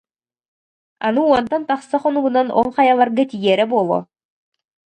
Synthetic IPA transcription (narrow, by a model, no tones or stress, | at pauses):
a̰nɯuɔnt̪ɔnt̪aχsaχɔnuɡunanɔ̰lˠχajalˠaɾɡat̪ijɛːɾɛbuɔlˠɔ̰